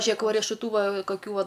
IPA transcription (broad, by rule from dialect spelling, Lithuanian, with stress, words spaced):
ˈʒʲiɛk ʋɐ rʲiɛʃʊˈtuː ˈʋɐ kɐˈkʲuː ˈʋɐ